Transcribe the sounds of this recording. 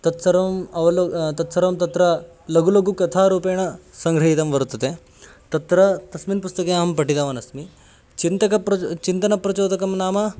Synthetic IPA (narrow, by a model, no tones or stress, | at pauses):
t̪ɐt̪sɐɾmɐʋɐlot̪ɐt̪sɐɾmt̪ɐt̪ɾɐ | lɐɡulɐɡukɐt̪ʰaɾuːpeːɽ̃ɐsɐŋɡɾɐɦit̪ɐmʋɐɾt̪ɐt̪e | t̪ɐt̪ɾɐt̪ɐsmiːnpust̪ɐkeaɦɐmpɐʈit̪aʋɐnɐsmi | t͡ʃint̪ɐkɐpɾɐt͡ʃint̪ɐnɐpɾɐt͡ʃoːd̪ɐkɐmnaːmɐ